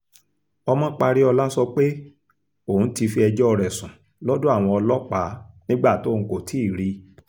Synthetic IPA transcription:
ɔ˧mɔ̃˦k͡pa˧ɾi˦ɔ˧la˦sɔ˧k͡pe˦ | õ˦˨˦ti˧fi˧ɛ˧d͡ʒɔ˦ɔ˧ɾɛ˨sũ˨ | lɔ˦du˦a˦˨w̃ɔ̃˧ɔ˧lɔ˦k͡pa˨˦nĩ˦ɡ͡ba˦˨tõ˦˧˨ko˨tʰi˨˦i˦˨ɾi˧˦

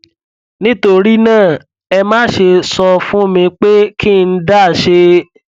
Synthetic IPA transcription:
nĩ˦to˦˧ɾi˦nãː˦˨ | ɛ˧mãː˦ʃe˧sɔ˧fũ˦˨mĩ˧k͡pe˦ki˦˧n̩˦da˦˨ʃe˧

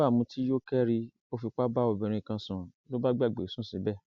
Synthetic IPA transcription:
a˦˨mũ˧tʰi˦jo˦kɛ˦ɾi˧ | o˦fi˧k͡pa˦ba˦o˧bɛ˨ɾ̃ũ˧i˨kã˧sũ˨lo˦ba˦ɡ͡ba˦˨ɡ͡be˨sũ˦˨sĩ˨˦bɛ˦˨

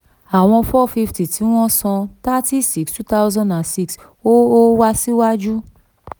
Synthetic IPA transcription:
a˨w̃ɔ̃˧fɔ˦˨fi˧fti˨tʰi˨˦w̃ɔ̃˦sɔ̃˧ta˦ti˦si˦kstu˦ta˦wzã˦nda˨nsi˦ks | o˦o˦wa˦si˦wa˦d͡ʒu˦

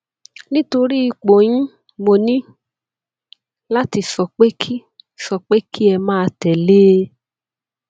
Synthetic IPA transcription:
nĩ˦to˧ɾi˦i˧k͡po˨jĩ˦ | mo˧nĩ˦ | la˦ti˧sɔ˨k͡pe˦kʰi˦ | sɔ˨k͡pe˦ki˦ɛ˧mãː˦˧tɛ˨leː˦

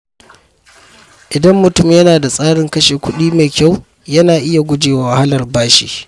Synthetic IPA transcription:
ʔɪ˨dɐ˦mːʊ˨tʊ˦mjɐ˦naː˨da˨sʼaː˦ɽɪ˨˦ŋkɐ˦ʃeː˨kʷʊ˦ɗiː˦me˨kʲa˦˨w | jɐ˦naː˨ʔɪ˦ja˨ɡʷʊ˦d͡ʒeː˨wawːwa˨ha˦lɐ˨rbaː˦ʃḭː˦

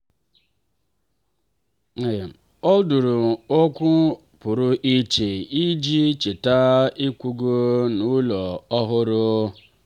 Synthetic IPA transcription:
e˨ | ɔ˦du˨ɾʊ˨o˦kʷʊ˦ | pʊ˨ɾʊ˦ʔi˦t͡ʃe˨i˦d͡ʒi˦t͡ʃe˨ta˦i˦kʷu˦ɡo˦nu˦lɔ˨ɔ˦ɦʊ˦ɾʊ˦

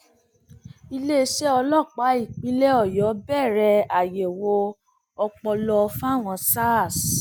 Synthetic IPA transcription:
i˧le˦ʃɛ˦ɔ˧lɔ˦˨k͡pa˨˦i˦˨k͡pĩ˨˦le˦ɔ˦˨jɔ˨˦bɛ˦˨ɾɛ˧a˨je˨wo˧ | ɔ˧k͡pɔ˧lɔ˧fa˦˨w̃ɔ̃˧sa˦˨s

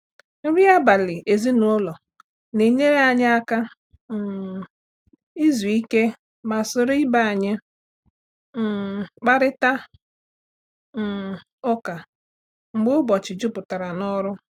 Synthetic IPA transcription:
m̩˦ɾi˦a˦ba˨lɪ˨ʔe˨zi˦nu˨ʊ˦lɔ˨ | ne˨ɲe˦ɾe˦a˨ɲɪ˦a˦ka˦˨ | i˦zu˨i˦ke˦ | ma˨sʊ˦ɾʊ˦i˦ba˦a˨ɲɪ˦ | m̩˨k͡pa˦ɾɪ˦ta˦˨ | ʊ˦ka˨ | ŋ͡m̩˨ɡ͡bʊ˦ʊ˦bɔ˨t͡ʃɪ˨d͡ʒʊ˦pʊ˨ta˨ɾa˨nɔ˦ɾʊ˦

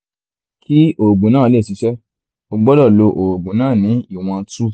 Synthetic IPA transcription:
kʰi˦o˨ɡ͡bũ˨nãː˦˨le˦˨si˨˦ʃɛ˦ | o˧ɡ͡bɔ˦lɔ˦˨lo˧ʔo˨ɡ͡bũ˨nãː˦˨nĩ˨˦i˦˨w̃ɔ̃˧˦tu˦

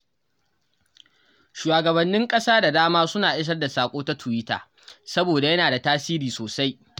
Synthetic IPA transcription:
ʃuː˨aː˨ɡɐ˨bɐ˨nːɪ˦ŋkʼɐ˦saː˦da˨daː˦maː˦sʊ˦naː˨ʔɪ˦s̬ɐ˦rda˨saː˨kʷʼoː˦ta˦tʰʊ˨wiː˦ta̰ː˨ | sɐ˦boː˨da˨jɐ˦naː˨da˨taː˦siː˦ɾiː˨soː˨sa˦j

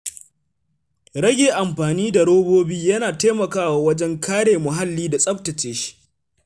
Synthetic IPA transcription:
ɽɐ˦ɡʲeː˨ʔa˨mɸaː˨niː˦da˨ɽoː˦boː˦biː˦jɐ˦naː˨teː˦mɐ˨kaː˦waː˨wɐ˦d͡ʒɛ˦ŋkʰaː˦ɽeː˨mʊ˨ɦa˦lːiː˦da˨sʼɐ˦ɸ̚tɐ˨t͡ʃeː˦ʃi̥˦ʔ

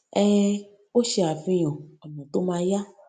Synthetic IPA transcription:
ɛ˦ | o˦ʃe˧a˨vĩ˦j̃ɔ̃˨ɔ˨nɔ̃˨t̪o˦mã˧ja˦

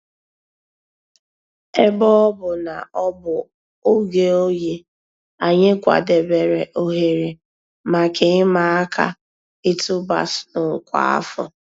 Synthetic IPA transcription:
e˦bɔ˦bʊ˨na˨ɔ˦bʊ˨ | o˦ɡe˨o˦je˦ | a˨ɲe˦kʷa̰˨de˨be˨ɾe˨ʔo˦ɦe˨ɾe˨ | ma˨kʰe˨˦ɪ˦ma˨a˦kʰa̰˦ | ɪ˦tʊ˦ba̰˨snʊ˨kʷa̰˦˨a̰˦fʊ̰˨

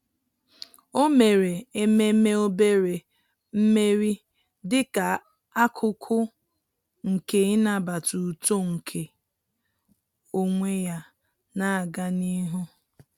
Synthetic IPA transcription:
o˦me˨ɾe˨e˦me˦me˦o˦be˦ɾe˨ | m̩˦me˦ɾi˦ | dɪ˦ka˨ | a˦kʰʊ˦kʰʊ˦ | ŋ̩˨ke˨ɪ˦na˦˨ba˨tu˨to˦ŋ̩˨kʰe˨ | o˦ŋʷe˦ja˦ | na˦˨ɡa˦ni˦ɦʊ˦

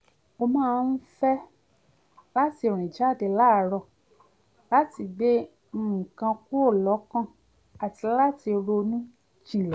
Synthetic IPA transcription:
o˧mãː˦˧n̩˦fɛ˦ | la˦ti˦˧˦ɾ̃ĩ˨d͡ʒa˦˨de˨la˦˨˦ɾɔ˧˨ | la˦ti˧ɡ͡bẽ˦˨ | kã˧ku˦o˦˨lɔ˨˦kã˦ | a˨ti˧la˦ti˧ɾo˧nũ˦ | d͡ʒĩ˨lɛ˨˦

